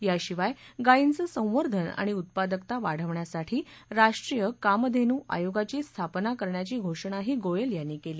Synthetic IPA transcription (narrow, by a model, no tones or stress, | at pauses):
jaɕiʋajɡaint͡səsə̃w̃ʋəɾd̪ʱəna̰ɽ̃iut̪̚pad̪əkt̪aʋaɽ̤əʋɳjasaʈʰiː | ɾaʂʈɾijəkamd̪ʱenuːʔa̰joɡat͡ɕiːst̪ʰapnakəɾɳjat͡ɕiːɡʱoʂəɳ̃aɦiːɡojəljanːiːkeliː